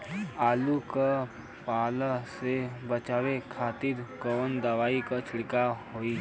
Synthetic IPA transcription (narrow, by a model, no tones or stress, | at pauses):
aːluka | paːlasebət͡ʃaːʋekʰaːt̪ɪɾkɔːnd̪əʋaːikat͡ʃʰɪɽkaɦoːiː